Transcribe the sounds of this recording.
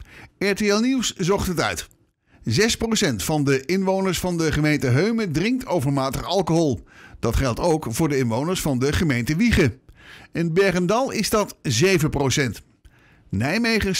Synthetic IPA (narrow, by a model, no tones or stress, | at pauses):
ɛɹteɛlˠniwszɔχtətœ̰ɥt | zɛsprosɛntfɑndəʔɪnʋownəɹsfɑndəχəmejntəɦøɥmədrɪŋktowvəɹmaːtəχɑlˠkoɦɔlˠd̥ɑtχɛlˠtowkfʊːɹdəɪnʋownəɹsfɑndəχəmejntəʋiχəɪnbɛɹχəndɑlˠɪzdɑtzejvəprowsɛnt | nɛjmejχə